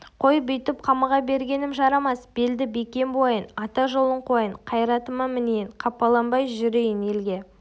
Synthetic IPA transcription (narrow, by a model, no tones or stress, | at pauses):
qʰo̞jbʏjt̪ɪp̚qʰɑmɑʁɑbe̞ɾɡʲe̞nɪmʒɑɾɑmɑsb̥e̞ld̪ɪbekʲe̞mbo̞jənɑt̪ɑʒolˠəɴqʰo̞jəɴqʰɑjɾɑt̪əmɑmɪnejɪɴqʰɑpːɑlˠɑmbɑjʒʏɾejɪne̞lɡʲe̞